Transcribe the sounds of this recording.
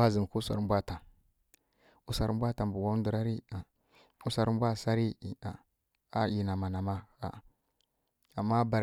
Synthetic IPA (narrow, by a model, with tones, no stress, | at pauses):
a˦zi˨n˨ku˦sa̰˨ɾm˦bʷa˦ta˨ | u˦sa˨ɾmbʷa˦ta˨m˨bu˨wa˦n˦du˨ɾa˦ɾi˦a˨ | u˦sa˨ɾm˦bʷa˦˨sa˦ɾi˦˨a˨ | a˦ji˨na˨ma˨na˨ma˦a̰˨ | a˨mːa˦ba˨ɾ